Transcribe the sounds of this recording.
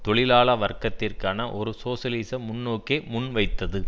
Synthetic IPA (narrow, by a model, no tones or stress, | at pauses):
t̪ɔɭɪlaːɭɐʋɐrkːɐt̪ːɪrkaːnɐʔɔɾɯsoːsɐliːsɐmʊnːoːkeːmʊnʋɐɪt̪ːɐðɯ